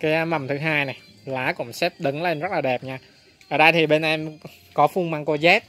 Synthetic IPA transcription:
kaː˨˦˧ma˨˩mt̪ʰɨ˨˦ɦaː˧jna˨˩j | laː˨˦kʊ̰˧˩˥ŋ͡msɛ˦˥p̚ɗɨ˨˦ŋle˧nzə˦˥laː˨˩ɗɛ˨˩p̚ɲaː˧ | ʔʔəː˧˩ɗə˧jt̪ʰi˨˩ɓe˧nʔɛ˧m | kɔ˨˦fu˧ŋmaː˧ŋko˧zɛ˦˥t̚

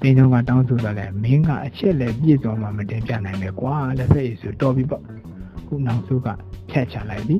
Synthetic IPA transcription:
t̪ẽ˨nõ˦ŋɡa̰˦˨tã˦ʊ̃nso˨d̪ɔ˨lɛ˦mɪ̃˦ŋɡa̰˦˨ʔət͡ɕʰɛ˦ʔlɛ˦˨p̬jḛ˦˨zwɔ̃˨ma̰˨mə˨tɪ̃˨mpjä̰˦˨nã˨ɪ̃mɛ˨kwa˨lɛ˨pʰɛ˦˨ʔe˨so˨tɔ˨bi˦bɔ˦˨ | kṵ˦˨nã˨sʰo̰˦ɡä̰˦˨pʰjɛ˦˨ʔt͡ɕʰa˨la˦ɪt̪ði˨

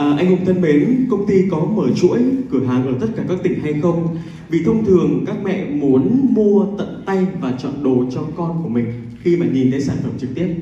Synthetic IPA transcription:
ʔəː˨˩ʔa˧jŋ̟hʊ˧˩wŋ͡mt̪ʰə˧nɓe˨˦n˦kə˧wŋ͡mt̪i˧kɔ˨˦məː˧˩t͡ɕṵ˧˥əjkɨ˧˩əɦaː˨˩ŋʔəː˧˩t̪ə˦˥t̚kaː˧˩kaː˦˥k̚t̪ï˧˩ŋ̟ɦa˧jxə˧wŋ͡m | vḭ˧˨t̪ʰə˧wŋ͡mt̪ʰɨ˨˩əŋkaː˦˥k̚mɛ̰˧˨mu˨˦ənmu˧ət̪ə̰˧˨nt̪a˧jvaː˨˩t͡ɕɔ̰˧˨nɗo˨˩t͡ɕɔ˧kɔ˧nku˧˩əmï˨˩ŋ̟ | xi˧maː˨˩ɲi˨˩nk̪aː˨˦saː˧˩nfə˧˩mt͡ɕɨ˨˩k̚t̪i˦˥əp̚

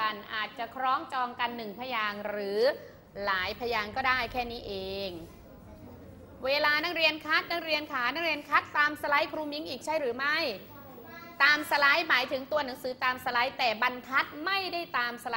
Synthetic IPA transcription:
a˧nʔa̰ː˨˩t̪̚t͡ɕa˨˩kʰɾɔː˦˥ŋt͡ɕɔː˧ŋka˧nːɯ˨˩ŋpʰa˧jaː˧ŋɾɯː˩˦ | laː˩˦jpʰa˧jaː˧ŋkɔː˥˩daː˥˩jkʰɛː˥˩niː˦˥ʔeː˧ŋ | weː˧laː˧na˦˥ŋɾi˧ənkʰa˦˥t̪̚na˦˧˥ŋɾi˧ənkʰaː˩˦na˧˦˥ɾi˧ənkʰa˦˥t̪̚ːaː˧msa˧la˦˥jkʰɾuː˧mi˧˦˥ŋʔiː˨˩k̚t͡ɕʰa˥˩jɾɯː˩˦ma˥˩j | t̪aː˧msa˧la˦˥jmaː˩˦jt̪ʰɯ˩˦ŋt̪u˧ɐna˩˦ŋsɯː˩˦t̪aː˧msa˧la˦˥jt̪ɛː˨˩ba˧nkʰa˦˥t̪̚ma˥˩jda˥˩jt̪aː˧msa˧la˦

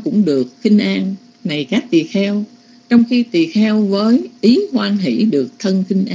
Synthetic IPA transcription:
kʊ̰˧˥ŋ͡mɗɨ˨˩ək̚xï˧ŋ̟ʔaː˧n | na˨˩jkaː˦˥k̚t̪i˨˩əxɛ˧w | t͡ɕɔ˧wŋ͡mxi˧t̪i˨˩əxɛ˧wvəː˨˦jʔi˨˦hwaː˧nɦḭ˧˩ɗɨ˨˩ək̚t̪ʰə˧nxi˧ŋ̟ʔaː˧

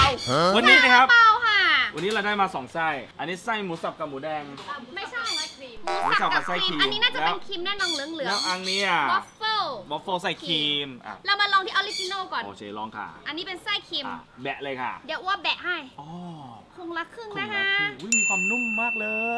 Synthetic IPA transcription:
wa˧nːiː˦˥la˧kʰa˦˥p̚a˧wkʰa˥˩wa˧nːiː˦˥ɾa˧daː˥˩jmaː˧sɔː˩˦ŋsa˥˩jʔa˧nːiː˦˥sa˥˩jmuː˨˦˥sa˨˩p̚ka˧˩muː˨˦dɛː˧ŋ˧ma˥˩jt͡ɕʰa˥˩˧a˧˩iː˧uː˨˦˥a˨˩sa˨˩ka˨sa˥˩jʰiː˧a˧niː˦˥naː˥˩t͡ɕa˨˦pe˦˧nkʰi˧mnɛː˥˩nɔː˧nlɯ˨˦əŋlɯ˩˦˧ʔa˧ŋniː˦˥ɔ˦˥foː˧˥˩bɔ˦˥foː˥˩sa˧˩jkʰiː˧mʔa̰˨˧˩la˧wmaː˧lɔː˧ŋt̪ʰiː˥ʔli˦˥ki˧noː˥˩kɔː˨˩no̰ː˧˩t͡ɕʰeː˧˩lɔː˧˩ŋkʰa̰˥˩ʔa˧nːiː˦˥pe˧nsa˥˩jkʰiː˧m̰˧˩bɛ˨˩ʔlɤː˧jkʰa̰˥˩di˩˦əwaː˧˥˩bɛ˨˩ʔha˥˩jʔɔː˧˩kʰo˧ŋla˦˥kʰːɯ˥˩nna˦˥kʰa˧˦˥ʔu˦˥˩jmiː˧kʰwaː˧mnu˥˩ŋmaː˥˩k̚lɤː˧

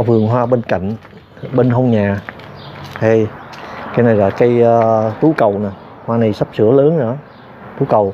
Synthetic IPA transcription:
fɨ˨˩əŋɦwaː˧ɓe˧nka̰˧˨jŋ̟ | ɓe˧nɦə˧wŋ͡mɲaː˨˩ | ha˧jkaː˨˦jna˨˩jlaː˨˩kaː˨˦jt̪u˨˦kə˨˩wnaː˨˩ | hwaː˧na˨˩jsa˦˥p̚sɨ̰˧˥ələː˨˦nzɔ˧˦ | t̪u˨˦kə˨˩w

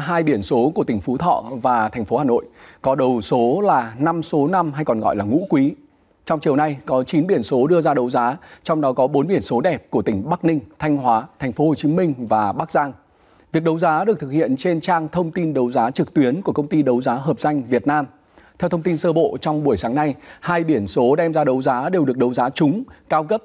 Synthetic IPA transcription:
ɦaː˧jɓi˧˩ənso˨˦ku˧˩ət̪ï˧˩ŋ̟fu˨˦t̪ʰɔ̰˧˨vaː˨˩t̪ʰa˨˩jŋ̟fo˨˦haː˨˩no̰˧˨jkɔ˨˦ɗə˨˩wso˨˦laː˨˩na˧mso˨˦na˧mɦa˧jkɔ˨˩nɣɔ̰˧˨jlaː˨˩ŋṵ˧˥kwi˨˦ | t͡ɕɔ˧wŋ͡mt͡ɕi˨˩əwna˧jkɔ˨˦t͡ɕi˨˦nɓi˧˩ənso˨˦ɗɨ˧əzaː˧ɗə˨˦wzaː˨˦t͡ɕɔ˧wŋ͡mɗɔ˨˦kɔ˨˦ɓo˨˦nɓi˧˩ənso˨˦ɗɛ˨˩p̚ku˧˩ət̪ï˧˩ŋ̟ɓa˦˥k̚nï˧ŋ̟t̪ʰa˧jŋ̟ɦwaː˨˦t̪ʰa˨˩ŋ̟fo˨˦ho˨˩t͡ɕi˨˦mï˧ŋ̟vaː˨˩ɓaː˦˥k̚zaː˧ŋ | vi˨˩ək̚ɗə˨˦wzaː˨˦ɗɨ˨˩k̚t̪ʰɨ˨˩k̚hḭ˧˨ənt͡ɕe˧nt͡ɕaː˧ŋt̪ʰə˧wŋ͡mt̪i˧nɗə˨˦wzaː˨˦t͡ɕɨ˨˩k̚t̪wi˨˦ənku˧˩əkə˧wŋ͡mt̪i˧ɗə˨˦wzaː˨˦ɦəː˨˩p̚z̥a˧jŋ̟vi˨˩ət̚naː˧m | t̪ʰɛ˧wt̪ʰə˧wŋ͡mt̪i˧nsəː˧ɓo̰˧˨t͡ɕɔ˧wŋ͡mɓu˧˩əjsaː˨˦ŋna˧jhaː˧jɓi˧˩ənso˨˦ɗɛ˧mzaː˧ɗə˨˦wzaː˨˦ɗe˨˩wɗɨ˨˩ək̚ɗə˨˦wzaː˨˦t͡ɕʊ˨˦ŋ͡mkaː˧wɣə˦˥p̚

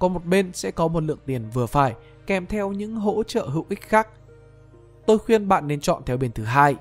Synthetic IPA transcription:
kɔ˨˦mo˨˩t̚ɓe˧nsɛ̰˧˥kɔ˨˦mo˨˩t̚lɨ̰˧˨əŋt̪i˨˩ənvɨ˨˩əfaː˧˩j | kɛ˧˩mt̪ʰɛ˧wɲɨ̰˧˥ŋɦo̰˧˥t͡ɕə̰ː˧˨ɦɨ̰˨˧˨wʔï˦˥k̚xaː˦˥k̚ | t̪o˧jxwi˧ənɓa̰ː˧˨nːe˧nt͡ɕɔ̰˧˨nt̪ʰɛ˧wɓe˧˩nt̪ʰɨ˨˦ɦaː˧j

